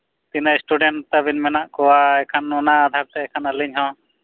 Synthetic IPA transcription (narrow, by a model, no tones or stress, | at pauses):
t̪inasʈuɖɛɳʈt̪abinmɛnaʔkɔwaɛkʰanɔnaːd̪ʱaɾ̚t̪ɛɛkʰanəliɲɦɔ̃